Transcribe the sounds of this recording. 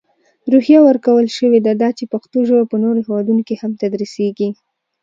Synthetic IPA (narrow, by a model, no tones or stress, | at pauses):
ɾuhjawəɾkawəlʃəwed̪ad̪ɑt͡ʃepaxt̪oʒəwapənoɾohewɑd̪unokihamt̪ad̪ɾiseɡi